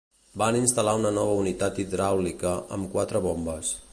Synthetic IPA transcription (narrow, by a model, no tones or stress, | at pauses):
baninst̪əlaunənɔβ̞əunit̪at̪id̪ɾawlikəʔə̰mkwat̪ɾəβombəs